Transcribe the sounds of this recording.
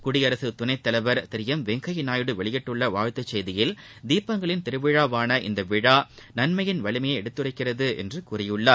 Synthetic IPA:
kʊɽɪjɐɾɐsɯt̪ʊnɐɪt̪ːɐlɐʋɐɾt̪ɪɾɪjɐmʋɛŋɡɐjɪnaːjɽɯʋɛɭɪjɛʈːɯɭːɐʋaːɻt̪ːɐt͡ʃːɛjðɪjɪl | d̪iːpːɐŋɡɐɭɪnt̪ɪɾɯʋɪɻaːʋaːnɐʔɪ̰nd̪ɐʋɪɻaː | nɐnmɐjɪnʋɐɭɪmɐjɐɛɽɯt̪ːɯrɐɪkːɪrɐðɯʔɛ̰ndrɯkuːrɐjɯɭːaː

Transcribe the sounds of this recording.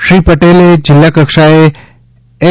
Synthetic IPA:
ʃɾiːpəʈeːled͡ʑɪlːakəkʂae | e

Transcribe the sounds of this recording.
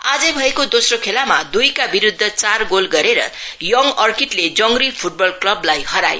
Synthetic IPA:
ad͡zʌbʱʌekod̪osrokʰelamad̪ujkabiɾud̪ʱːʌt͡sarɡolɡʌɾeɾʌ̰jʌŋʌrkiʈled͡zʌŋripʰuʈ̚bʌlklʌblajhʌɾaj̰

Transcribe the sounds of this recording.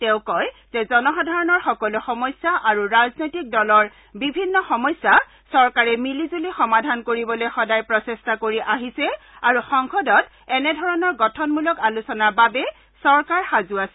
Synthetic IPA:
tɛ̃ʊ̃kɔj | z̥ɛzɔnɔxɔdʱaɹɔnɔɹxɔkɔluxɔmɔjsaʔaɹuɹaznojtik̚dɔlɔɹ | bibʱinːɔxɔmɔjsːa | sɔɹkaɹɛmilizulixɔmadʱankoɹibɔlojxɔdajpɹɔsestakoɹiʔaɦisɛ | aɹuxɔŋxɔdɔt | ɛnɛdʱɔɹɔnɔɹɡɔtʰɔnmulɔkalusɔnaɹbabɛ | sɔɹkaɹxazuasɛ

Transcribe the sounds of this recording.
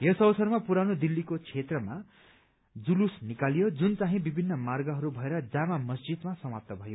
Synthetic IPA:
jesʌbʌsʌrmapuɾanod̪ilːikot͡sʰet̪rʌma | d͡zulusnikalijod͡zunt͡saɦĩbibʱinːʌmarɡʌɦʌɾubʱʌeɾʌd͡zamamʌsd͡zid̪masʌmap̚t̪ʌbʱʌjo

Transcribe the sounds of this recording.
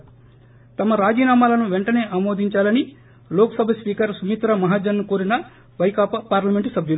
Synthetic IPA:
t̪ɐmɐɾaːd͡ʒiːnaːmaːlɐnuʋeɳʈɐne̞ːʔamoːd̪ʱiɲt͡ʃaːlɐni | loːkɐsɐbʱɐspiːkɐɾsumit̪ɾɐmɐɦaːd͡ʒɐnnːukoːɾinɐ | ʋɐjkaːpɐpaːɾlɐme̞ɳʈusɐbʱjulu

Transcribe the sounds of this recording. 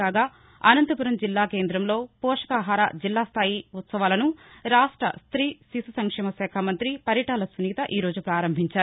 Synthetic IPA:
aːɡaː | ɐnɐnt̪ɐpuɾɐmd͡ʒilːaːke̞ːnd̪ɾɐmlo̞ːpɔːʂɐ̥kaːɦaːɾa̰d͡ʒilːaːst̪ʰaːjiut̪sɐʋaːlɐnuɾaːʂʈɾɐ̰st̪ɾiːsisɐsɐŋkʂɛːmɐsɛːkʰamɐnt̪ɾipɐɾjɐʈaːlɐsuniːt̪ɐʔiːɾo̞ːd͡ʒupɾaːɾɐmbʱiɲt͡ʃaːɾ

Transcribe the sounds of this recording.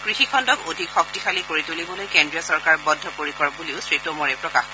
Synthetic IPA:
kɹixikʰɔndɔkodʱikxɔk̚tixalikoɹitulibɔlojkendɹiɔsɔɹkaɹbɔdʱːɔpoɹikɔɹp̚buliʊsɹitɔmɔɹɛpɹɔkax

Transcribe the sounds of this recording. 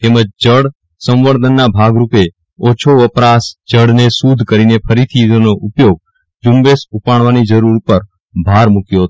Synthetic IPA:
t̪eməd͡ʒd͡ʒəɽ | sə̃mʋəɾd̪ʱənːabʱaɡɾupe | ot͡ʃʰoʋəpɾasd͡ʒəɽnesud̪ʱkəɾinepʰəɾit̪ʰionoʔupjoɡ̚ | d͡ʒumbesupaɳ̃ʋanid͡ʒəɾuɾpəɾ | bʱaɾmukjoɦt̪

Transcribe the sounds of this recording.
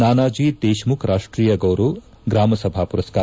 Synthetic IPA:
naːnaːd͡ʒiːd̪eːʃmukʰɾʔaːʂʈɾiːjɐɡɐwɾu | ɡɾaːmɐsɐbʱaːpuɾɐskaː

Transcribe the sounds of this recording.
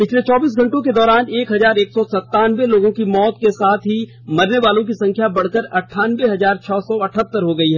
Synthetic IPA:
pɪt͡ʃʰlet͡ʃɔːbiːs̬ɡʱɐ̃ɳʈõked̪ɔːɾaːneːkɦɐzaːɾeːksɔsɐt̪ːaːnʋeloːɡõkimɔːt̪kesaːt̪ʰɦi | mɐɾneʋaːlõkisɐ̃ŋkʰjabɐɽ̤kəɾɐʈʰːaːnʋeɦɐzaːɾt͡ʃʰɔːsɔɐʈʰət̪ːəɾɦoɡɐiɦɛː

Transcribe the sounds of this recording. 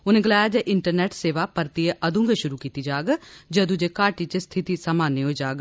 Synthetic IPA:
ʊnẽːɡɪlaːjaːd͡ʒɛːʔɪɳʈəɾnɛːʈseːʋaːpəɾt̪ieʔəd̪ũŋɡeʃʊɾuːkiːt̪iːd͡ʒaːɡd͡ʒəd̪ũd͡ʒeːkaːʈiːt͡ʃəst̪ʰɪt̪iːsaːmaːneːɦoːid͡ʒaːɡ

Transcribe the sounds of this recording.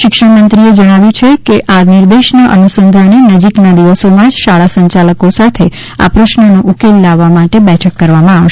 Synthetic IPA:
ʃɪkʃəɽmənt̪ɾied͡ʒəɽ̃aʋjũt͡ʃʰekeʔanɪɾd̪eʃnaʔə̰nusənd̪ʱanenəd͡ʒiknad̪iʋəsomãd͡ʒʃaɭasəɲt͡ʃaləkosat̪ʰe | a̰pɾəʃnənoʔukelːaʋːamaʈebɛʈʰəkːəɾʋamãaʋʃ

